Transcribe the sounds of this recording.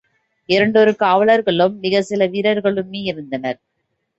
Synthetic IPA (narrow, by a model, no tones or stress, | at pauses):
ɪɾɐɳɖɔɾɯkaːʋɐɭɐɾɣɐɭɯmːɪɣɐsɪlɐʋiːɾɐɾɣɐɭɯmeːɪɾɯnd̪ɐnɐɾ